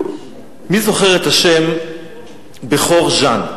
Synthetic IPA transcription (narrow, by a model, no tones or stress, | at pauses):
mizo̞χe̞ʁet̪haʃem | beχo̞ʁʒan